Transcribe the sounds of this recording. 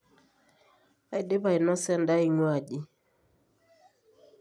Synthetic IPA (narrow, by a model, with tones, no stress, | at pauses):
a˦i˦˨de˦ba˨i˨nɔ˦sɛ˦nda˦i˨ŋwa˨d͡ʒi˦